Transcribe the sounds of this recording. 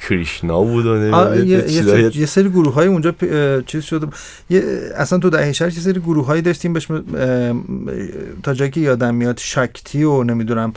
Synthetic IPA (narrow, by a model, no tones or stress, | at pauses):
kʰɾiʃnobuːd̪oneɒjejeizjeseɾiːɡuɾuɦɒːjiund͡ʒɒːpt͡ʃʰiːzʃod̪eu | jeæsænt̪ʰud̪æheʃæɾje̞s̬eɾiːɡuɾuɦɒːjiːd̪ɒʃt̪iːmbeʃme | t̪ʰɒːd͡ʒɒːjicʲʰe̞jɒːd̪æmːijɒd̪ʃɒcʰt̪ʰiːone̞mid̪unæm